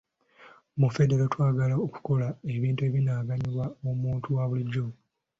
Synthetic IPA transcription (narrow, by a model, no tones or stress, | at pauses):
mufe̞deɾotwaːɡalaoku̥ko̞lae̞βiːntue̞βinaːɡaɲiβwaomuːntuwaβuliɟːo